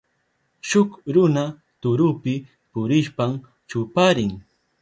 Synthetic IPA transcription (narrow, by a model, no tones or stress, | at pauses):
ʃʊkɾʊna | t̪ʊɾʊpɪ | pʊɾɪʃpam | t͡ʃʊpaɾɪŋ